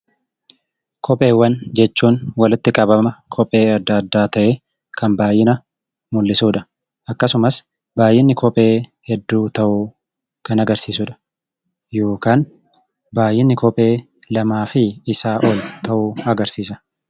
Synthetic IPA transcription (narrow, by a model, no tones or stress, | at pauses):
kʰɔpʼe̞ːwːɐnd͡ʒɛt͡ʃːuːnwɐlɪt̪ːɪkʼɐbɐmɐkʰɔpʼe̞ːɐd̪ːɐd̪ːaːt̪ɐʔeː | kɐnbaːjɪnɐ | mʊlːɪsuːᶑɐ̥ | ʔɐkːɐsʊmɐs | baːjɪnːɪkʰɔpʼe̞ːhɛd̪ːuːt̪ɐʔu | kɐnɐɡɐɾsiːsuːᶑɐ̥ | jo̞ːkaːn | baːjɪnːɪkɔpʼe̞ː | lɐmaːfɪːsaːʔɔlt̪ɐʔuːɐɡɐɾsiːsɐ̥